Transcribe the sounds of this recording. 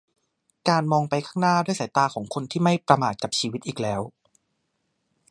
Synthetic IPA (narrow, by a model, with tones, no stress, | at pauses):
kaː˧nmɔː˧ŋpa˧jkʰaː˥˩ŋnaː˥˩du˥˩jsaː˨˩˦jt̪aː˧kʰɔː˩˦ŋkʰo˧nt̪ʰiː˥˩ma˥˩jpɾa˧maː˨˩t̪̚ka˨˩p̚t͡ɕʰiː˧wi˦˥t̪̚ʔiː˨˩k̚lɛː˦˥w